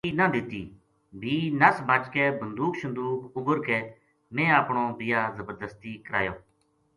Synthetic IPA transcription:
iːnãːd̪ɪt̪iː | bʱiːnəsbat͡ʃkɛːbənd̪uːksə̃nd̪uːkʊbəɾkɛː | mɛ̃ːaːpɳõːbɪjaːzəbəɾd̪əst̪iːkəɾa̰ːjoː

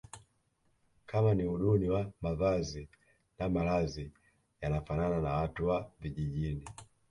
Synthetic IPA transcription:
kʰamaniuɗuniwamavazi | namalazi | janafanananawatuwaviʄiʄini

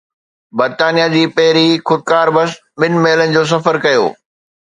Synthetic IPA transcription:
bɐɾt̪aːnijad͡ʑiːpɐɦɪɾixʊd̪̚kaːɾbɐs | ɓɪnmeːɪlənɪ̆d͡ʑoːs̬ɐfəɾkɐjo̰ː

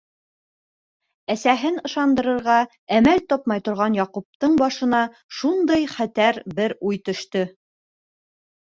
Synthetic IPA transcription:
æsæɦɘnɤ̆ʃɑnd̪ɤ̆ɾɤ̆ɾʁɑ | æmælt̪ɒpmɑjt̪ŏɾʁɑnjɑqup̚t̪ɤɴbɑʃɤ̆nɑ | ʃund̪ɤjχæt̪æɾbɘɾujt̪ɵ̆ʃt̪ɵ

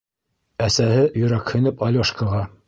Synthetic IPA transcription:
æsæɦɘjɵ̆ɾækhɵ̆nɘpɑlʲoʃkaʁɑ

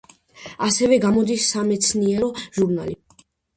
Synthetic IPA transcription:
asɛvɛɡamɔd̪isːamɛt̪sʰniɛɾɔʒuɾna̰li

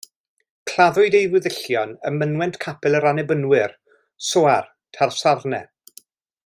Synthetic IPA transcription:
kʰl̥aðʊɨdejvwɪðɪɬjɔnəmənwɛntkʰapʰɛlˠəɾanɛbənwɪr | soar | tʰarsarnɛ̰

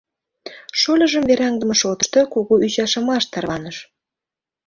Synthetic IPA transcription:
ʃolʲə̆ʒə̆mveɾɑŋd̪ə̆mə̆ʃot̪ə̥ʃt̪okuɣoʔyt͡ɕɑʃə̆mɑʃt̪ɑrβɑnəʃ

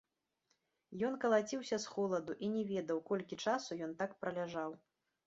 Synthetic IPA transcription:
jɔnkɐlˠat͡sʲiwsʲɐsxɔlˠɐd̪uʔinʲɛvʲɛd̪ɐwkɔlʲkʲit͡ʂasujɔnt̪akpɾɐlʲaʐaw

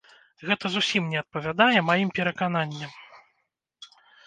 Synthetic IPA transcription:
ɣɛt̪ɐzusʲimnʲɛɐt̪̚pɐvʲad̪ajɛmajimpʲɛɾɐkananʲːɐm

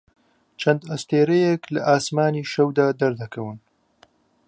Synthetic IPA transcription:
t͡ʃʰɐnd̪ɐst̪eːɾejɛklɐʔaːsmaːniːʃɐwd̪aːd̪ɐɾd̪ɐkʰɐwɨn

